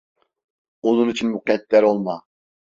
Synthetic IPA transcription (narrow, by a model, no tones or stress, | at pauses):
onunit͡ʃʰinmuqɛt̪lʲæɾolˠma